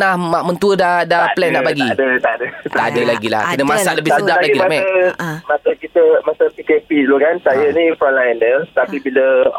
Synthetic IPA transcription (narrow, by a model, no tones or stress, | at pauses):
ahmaʔmənt̪uədadaplɛnlabaɡidət̪adətt̪adəlaɡila̰hkənəmãsaʔləbɪhsəd͡ʒaplailamɛmasəkit̪əmasəpikepiloɡansajənĩfɾɔmlajəndət̪apibilə